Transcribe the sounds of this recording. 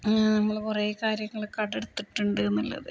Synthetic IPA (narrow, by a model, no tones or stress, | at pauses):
nɐmːɐɭkurɐjekaːɾjɐŋːɐɭkɐɽeɽut̪ːiʈːuɳɖɨnːilːɐ̰ðɨ